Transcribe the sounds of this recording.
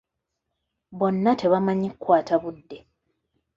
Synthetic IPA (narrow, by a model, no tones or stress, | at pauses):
βo̞nːatʰe̞βamaɲikwaːtʰaβudːe̞